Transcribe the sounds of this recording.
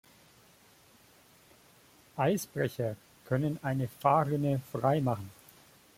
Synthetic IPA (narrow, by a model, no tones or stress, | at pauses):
ʔaɪsb̥ʁɛçɐ | kʰœnənʔaɪnəfaːʁɪnəfʁ̥aɪmaχn̩